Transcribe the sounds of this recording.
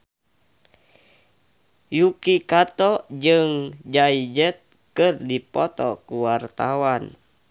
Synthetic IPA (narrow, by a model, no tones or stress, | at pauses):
jukikat̪ɔd͡ʒɨŋd͡ʒaid͡ʒət̪̚ | kɨrdipɔt̪ɔ̰kuwart̪awan